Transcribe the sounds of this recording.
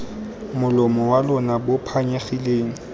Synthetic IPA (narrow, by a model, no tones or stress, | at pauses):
mʊlɔmɔwalʊnabʊpʰaɲeχileːŋ̩